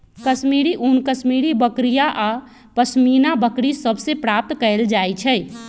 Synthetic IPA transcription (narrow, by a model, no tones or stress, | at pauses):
kəsmiɾiʔunkəsmiɾibəkɾijaʔa | pəsminabəkɾisəbʱsepɾap̚t̪kəeld͡ʒajt͡ʃʰɛj